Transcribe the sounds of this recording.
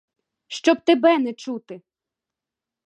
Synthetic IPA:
ʃt͡ʃɔb̚t̪ebɛnɛt͡ʃut̪ɪ

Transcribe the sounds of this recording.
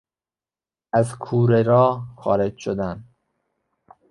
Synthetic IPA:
æzkʰuːɾeɾɒːxɒːɾed͡ʒʃod̪æn

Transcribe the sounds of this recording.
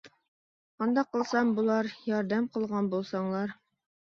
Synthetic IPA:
qɑnd̪ɑqɤ̆lˠsɑmbulˠɑɾjɒɾd̪æmqɤ̆lˠʁɑnbulˠsɑɴlˠɑɾ

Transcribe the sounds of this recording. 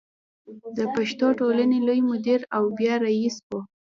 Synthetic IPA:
d̪əpaʃt̪oʈolanelojmʊd̪iɾawbjɑɾaiswo

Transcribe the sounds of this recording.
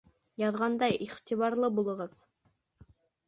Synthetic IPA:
jɑðʁɑnd̪ɑjiχt̪iβɑɾlˠɤbulˠɤ̆ʁɤð

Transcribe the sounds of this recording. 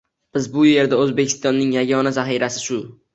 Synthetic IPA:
b̥ɪzbʊje̞ɾd̪aɵzbekʲʰɪ̥st̪ɒnːɪŋjaɡɒnazaχiɾasɪʃʊ

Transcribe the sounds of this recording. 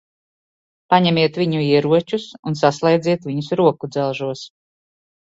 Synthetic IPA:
paɲɛmiɛt̪viɲuiɛɾuɔt͡ʃusunsaslˠɛjd̪ziɛt̪vʲiɲusɾuɔkud̪zalˠʒuɔs

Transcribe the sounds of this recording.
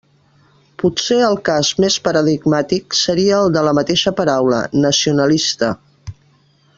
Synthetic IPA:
puseəlˠkazmespəɾəðiɡmat̪iksəɾiəːlˠd̪ələmət̪eʃəpəɾawlə̰nəsiunəlist̪ə

